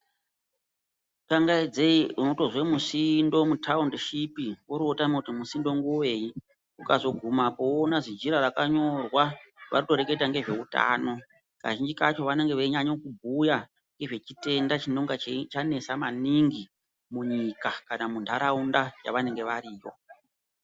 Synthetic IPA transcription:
kaŋɡaid͡zeiuno̞to̞ʐwe̞musindo̞mutʰaundʃipiwoɾotamokutimusindo̞ŋɡuwe̞ji | ukazo̞ɡʱumapoonaʐid͡ʒiɾarakaɲo̞rwaʋa̰rito̞ɾe̞ke̞taŋɡe̞ʐe̞uta̰ːno̞ | ka̰ʒind͡ʒikat͡ʃo̞ʋane̞ŋɡe̞ʋeiɲaɲo̞kubʱuja | ŋɡe̞ʐe̞t͡ʃite̞ndat͡ʃinoŋɡat͡ʃt͡ʃane̞samaniŋɡi | muɲikakanamundʱaɾaundaja̰ʋane̞ŋɡe̞ʋaɾiːjo̞̰

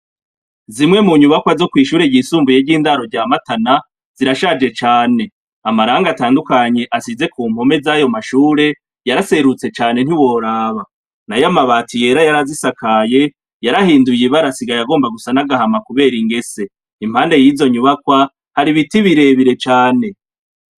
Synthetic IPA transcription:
zimŋe̞muɲuβakwazo̞kwiːʃuːɾeɟisuːmbujeɟiːndaːɾo̞ɾɟaːmatana | z̥iɾaʃad͡ʒe̞t͡ʃaːne̞ | amaɾaːŋɡataːndukaɲe̞ʔasize̞kuːm̥ho̞me̞zajo̞maʃuːɾe̞ | jaɾase̞ɾut͡se̞t͡ʃaːne̞n̥hiwo̞ɾaːβa | najamaβaːtije̞ɾajaɾazisakʰaje̞ | jaɾahiːndujeβaɾasiɡajaɡo̞ːmbaɡusanaɡahamakuβe̞ːɾiŋɡe̞se̞ | im̥haːnde̞jiːzo̞ɲuβakwa | haɾiβitiβiɾe̞βiɾe̞t͡ʃaːne̞

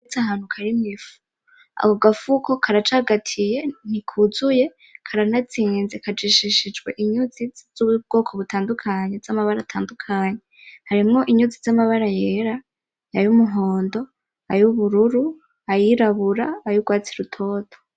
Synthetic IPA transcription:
t͡sahaːn̥hukʰaɾimŋifu̥ | a̰koɡafukʰo̞kʰaɾat͡ʃaːɡatʰije̞n̥ikʰuzuje̞ | kʰaɾanat͡siːnzekʰad͡ʒiʃiʃid͡ʒɡwe̞̰ʔiɲuziz̥ub̚ɡ̥o̞ːkʰo̞βutʰaːndukʰaɲe̞z̥amaβaɾatʰaːndukʰaɲe̞ | haɾimŋo̞ʔiɲuzizamaβaɾajeɾa | ajumuɦo̞ːndo̞ | ajuβuɾuɾu | ajiɾaβuɾaajuɡwaːt͡siɾutʰo̞ːto

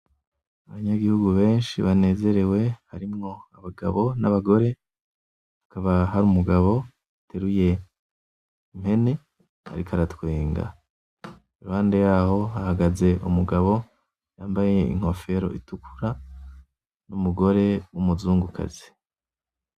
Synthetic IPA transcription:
aβaɲaɡihuɡuβe̞ːnʃiβane̞ːze̞ɾe̞we̞haɾimŋo̞aβaɡa̰βo̞naβaɡo̞ɾe̞ | βakaβaɦaɾumuɡaβo̞ | atʰeɾuje̞ | im̥he̞ne̞ | ha̰ɾikʰaɾatwiːŋɡa̰ | iɾuhaːndejaːho̞hahaɡaze̞ʔumuɡaβo̞ | jaːmbajeje̞̰ḭŋ̥ho̞fe̞ɾo̞̰ʔitukʰu̥ɾa | numuɡo̞ɾe̞wumuzuːŋɡukʰa̰ze̥

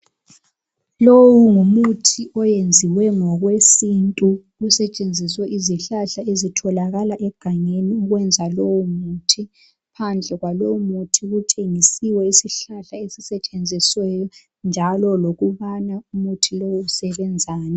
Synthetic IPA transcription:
lowuŋumutʰiʔɔjend͡zʱiwɛŋɔɣwesintʼu | ɣusɛt͡ʃʼend͡zʱiswɛʔiziɬaɬaezitʰɔlaɣalaʔɛɡ̥ʱaŋeniuɣwɛnd͡zʱalowumuːtʰi | pʰand͡ɮʱɛɣwalowumutʰiɣutʰeŋisiwɛisiɬaɬaesisɛt͡ʃʼend͡zʱiswɛjɔ | nd͡ʒʱalɔloɣuβanaumutʰilowuusɛβɛnd͡zʱaːnɛ

